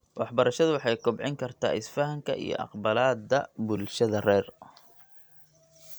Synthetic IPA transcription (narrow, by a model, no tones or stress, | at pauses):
wɑħbɐɾɐʃɐðʊwɑħɑjkʰʊbʕɪŋkʰɐrt̪ʰa̰ːɪsfɐɦɐŋkʰɐʔḭjɔ̰ʔɑ̰qbɐlaːd̪ɐbʊlʃɐðɐrɛːr